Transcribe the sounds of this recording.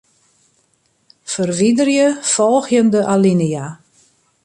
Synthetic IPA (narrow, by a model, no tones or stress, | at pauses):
fərʋidərjəfɔlˠxjəndəʔalinija